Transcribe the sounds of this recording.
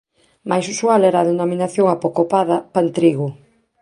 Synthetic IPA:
majsusualɛɾaðenominaθjoŋapokopaðɐpant̪ɾiɣʊ

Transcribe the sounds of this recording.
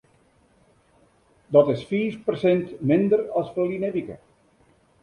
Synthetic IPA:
dɔtɪsfiːfpərsɛntmɪndərɔsfəlineʋikə̰

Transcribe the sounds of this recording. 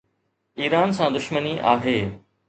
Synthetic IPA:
iːɾaːnsãːd̪ʊʃməniʔaːɦeː

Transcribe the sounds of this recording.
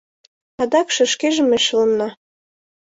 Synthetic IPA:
ɑd̪ɑkʃə̆ʃkeʒə̆meʃɤ̆lɤmnɑ

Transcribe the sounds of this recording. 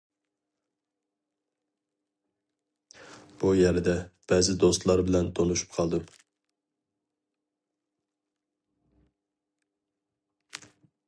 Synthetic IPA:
b̥ujɛɾd̪ɛb̥ɛzɪd̪ost̪lˠɑɾbɪlɛnt̪ʰonuʃu̥pqʰɑlˠd̪ɨm

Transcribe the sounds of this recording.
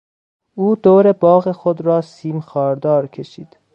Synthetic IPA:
ʔuːd̪oːɾe̞bɒːɣexod̪ɾɒːsiːmxɒːɾd̪ɒːɾkʰe̞ʃiːd̪̥

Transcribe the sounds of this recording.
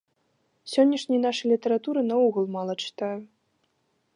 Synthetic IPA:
sʲɔnʲːɐʂnʲijn̪aʂɨjlʲit̪ɐɾat̪uɾɨnɐɔɣulˠmalˠɐt͡ʂɨ̥t̪aju

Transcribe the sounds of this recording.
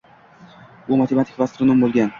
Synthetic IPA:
bʊmat̪ʰemat̪ʰɪ̥kʲvast̪ɾnombolˠɡʲan

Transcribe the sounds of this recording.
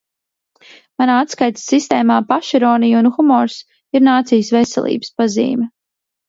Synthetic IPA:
manaːat̪skajt̪ssist̪eːmaːpaʃiɾɔːnijunxumɔɾs | iɾnaːt̪sijsvɛsɛ̰lˠḭːbə̥spazḭːmɛ

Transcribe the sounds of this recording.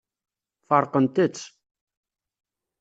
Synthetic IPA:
fɑɾˤqənt̪ət͡sː

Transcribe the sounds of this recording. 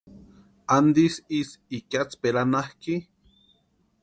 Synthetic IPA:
and̪isisikat͡speɾanahki

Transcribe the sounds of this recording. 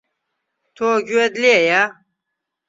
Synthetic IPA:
t̪ʰoːɡued̪leja

